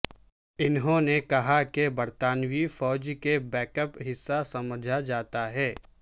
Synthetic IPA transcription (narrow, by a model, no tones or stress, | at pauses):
ɪnɦõnekɐɦakebɐɾt̪aːnwifɔːd͡ʒkebɛːkəpɦɪsːasɐməd͡ʒʱad͡ʒaːt̪aɦɛː